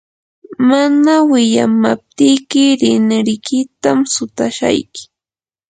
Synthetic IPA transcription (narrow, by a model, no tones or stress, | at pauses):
manawɪʎamap̚t̪ɪjkɪɾɪnɾɪkɪt̪amsʊt̪aʃa̰jkɪ̥